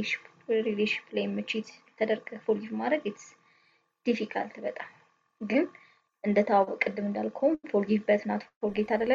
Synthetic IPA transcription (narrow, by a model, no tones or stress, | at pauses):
ʃp | ɾileʃi̥plajmɨt͡ʃɪt̪ɛt̪ʰəd̪əɾɡʼəfolɡifmad̪ɾəɡjɛt̪ | d̪̥ifikʰa̰lt̪ʰɨβət̪ʼa | ɡɨn | ʔɨnd̪ət̪ʰawabkʼɨd̪ːɨmɨnd̪alkʰomfolɡifbət̪nat̪folɡet̪ʰad̪əlːə